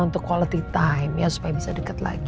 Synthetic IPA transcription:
unt̪ʊkːwalət̪it̪ajmjasu̥pajabisadəkət̪la̰ɡi

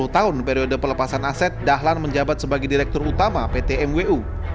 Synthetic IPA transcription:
uht̪aʊnpeɾiodəpərləpasanasɛt̪̚daɦlanməɲd͡ʒabat̪̚səbaɡajdiɾɛk̚t̪ɔrut̪amapet̪eɛmweʔu

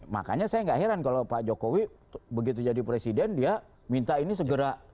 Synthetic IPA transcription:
ma̰ka̰ɲasajaŋɡaʔɦeɾankalopad͡ʒokowi | bəɡit̪̬ud͡ʒadipɾesidɛndia | mint̪ainis̬əɡəɾa

